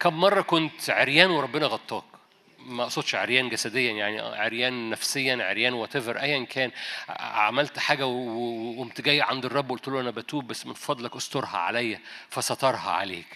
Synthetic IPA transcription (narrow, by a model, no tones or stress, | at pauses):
kæmːmɑrˤːɑkont̪ʕeɾjæːnweɾˤɑbːenɑɣɑt̪ˤːɑːk | mæʔɑʔsˤod̪ʃʕeɾjæːnɡæsæd̪ejːæjaʕnḭʕeɾjæːnːæfsejːænʕḛɾjæːnwæt̪eveɾʔæjːʔenkʰæːna̰ʕmælt̪ħaːɡæwwemt̪eɡæjːeʕand̪erˤːɑbːʔolt̪eluʔænæbæt̪uːbbæsːmenfɑd̪ˤlækʔɑst̪oɾhɑ̰ʕa̰læjːæfæsɑt̪ˤɑɾˤhɑ̰ʕa̰lḛːk